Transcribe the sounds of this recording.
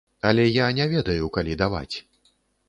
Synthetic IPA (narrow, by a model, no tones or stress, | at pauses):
ɐlʲɛjanʲɛvʲɛd̪ɐjukalʲid̪ava̰t͡sʲ